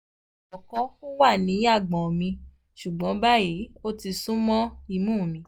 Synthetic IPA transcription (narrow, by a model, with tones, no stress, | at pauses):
ɔ˨kɔ̃˧˦u˦wa˦˨nĩ˨˦a˦˨ɡ͡bɔ̃˨mĩ˧ | ʃu˨ɡ͡bɔ̃˨˦ba˦ji˨˦o˦ti˧sũ˦mɔ̃˦i˧˨mũː˦˨mĩ˨˦